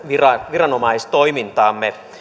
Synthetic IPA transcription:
ʋirɑʋirɑnomɑist̪oimint̪ɑːmːe

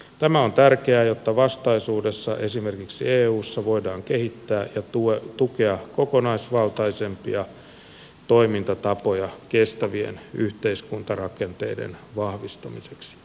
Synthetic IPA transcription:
t̪æmæont̪ærkeæːjot̪ːɑʋɑst̪ɑisuːdesːɑ̰ʔesimerkiksieːuːsːɑʋo̞idɑːŋkehit̪ːæːjɑtut̪ukeɑkokonɑisʋɑlt̪ɑisempiɑ | t̪oimint̪ɑt̪ɑpojɑkest̪æʋiḛnyht̪eiskunt̪ɑrɑkent̪ḛidḛnʋɑhʋist̪ɑmiseksi̥

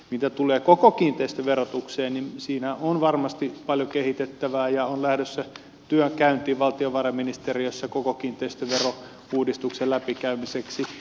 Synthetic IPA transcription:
mit̪æt̪uleːkokokiːnt̪eist̪øʋerot̪ukseːnninsiːnæonʋɑrmɑst̪ipɑljokehit̪et̪ːæʋæːjɑonlæhdøsːæ | t̪yøŋkæynt̪iːʋʋɑlt̪ioʋɑrɑminist̪eriøsːækokokiːnt̪ˑeist̪øʋero | uːdist̪ukselæpikæymiseksi

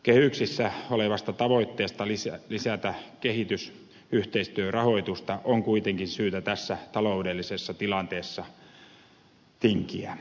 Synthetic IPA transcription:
kehyksisːæoleʋɑst̪ɑt̪ɑʋoit̪ːeːst̪ɑlislisæt̪ækehit̪ys | yht̪eist̪yørɑhoit̪ust̪ɑʔoŋkuit̪eŋkinsyːt̪æt̪æsːæt̪ɑloudelːisesːɑt̪ilɑnt̪eːsːɑ | t̪iŋkiæ

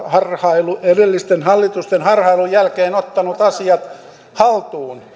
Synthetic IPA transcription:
hɑrhɑiluerilːist̪enhɑlːit̪ust̪enhɑrhɑilujjælkeːnot̪ːɑnut̪ɑsiɑt̪ | hɑlt̪uːn

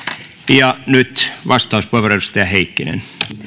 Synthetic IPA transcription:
jɑnyt̪ʋɑst̪ɑuspoeʋereust̪æheikːinḛn

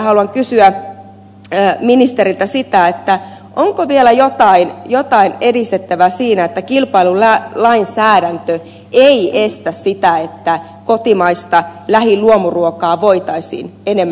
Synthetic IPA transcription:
hɑluɑŋkysyæ | minist̪eɾilt̪æsit̪æet̪ːæʔoŋkoʋielæjot̪ɑinjot̪ɑinedist̪et̪ːæʋæsiːnæet̪ːækilpɑilulælɑinsæːɾænt̪ø | eiʔest̪æssit̪æet̪ːæ | kot̪imɑist̪ɑlæhiluomuruokɑːʋoit̪ɑisḭːnenemː

